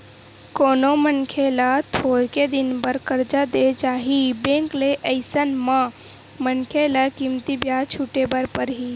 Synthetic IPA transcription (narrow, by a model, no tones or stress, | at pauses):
koːnomənkʰelat̪ʰoːɾked̪ɪnbəɾkəɾd͡ʒad̪et͡ʃaːɦibẽːŋkleʔəɪsənmã | mənkʰelakimt̪ibjaːt͡ʃʰuʈebəɾpəɾɦi